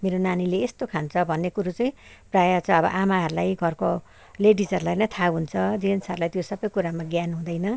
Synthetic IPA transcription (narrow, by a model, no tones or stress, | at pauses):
meɾonanileːst̪okʰant͡sʰʌbʱʌnːekuɾut͡sʌĩprajat͡sʰʌ̃ʌbʌ̰ʔamaɦʌɾulajɡʱʌrko | leɖid͡zʌɾulajnʌt̪ʰaɦunt͡sʰʌd͡zinsʌɾulajt̪josʌbʌjkuɾamaɡjanɦũd̪ʌjnʌ